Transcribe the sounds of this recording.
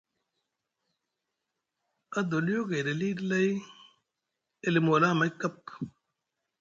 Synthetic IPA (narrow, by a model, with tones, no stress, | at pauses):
ɐ˦d̪o˨ljo˦ɡe˨ɾe˨liː˦dlɐ˦i˦ | e˨li˨mo˨laː˦˨mɐ˨˦jkːɐ˦p